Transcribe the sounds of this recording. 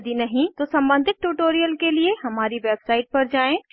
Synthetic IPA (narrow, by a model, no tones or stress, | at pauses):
d̪inɐɦĩt̪osɐ̃mbə̃nd̪ʱɪt̪̚ʈuːʈoːɾijəlkelieɦɐmaːɾiʋeːbsaːɪʈ̚pɐɾd͡ʒaːẽ